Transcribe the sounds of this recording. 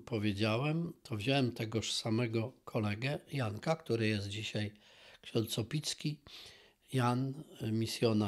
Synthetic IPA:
pɔvʲjed͡ʑawɛmt̪ʰɔvʑawɛmt̪ɛɡɔʂsamɛɡɔkʰɔlɛɡɛjaŋkakt̪uɾɘjɛst̪̚d͡ʑiɕaj | kɕɛnt̪sɔpʲit̪skʲi | janmʲisʲjɔna

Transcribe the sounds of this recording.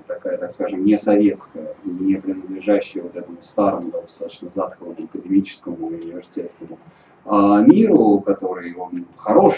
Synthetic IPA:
t̪ɐkajət̪akskaʐɨmnʲɪsɐvʲe̞t̪skəjənʲɪpɾʲɪnəd̪lʲɪʐaɕːɪjəvot̪ɛt̪əmʊst̪aɾəmʊd̪ad̪ɐst̪at̪ə̥t͡ɕnəzat̪kəvəmɐkədʲɪmʲit͡ɕɪ̥skəmʊʊnʲɪvʲɪrsʲɪ̥tʲet̪st̪ʲɪnə | amʲiɾʊkɐt̪o̞ɾɨjonxɐɾo̞ʂ

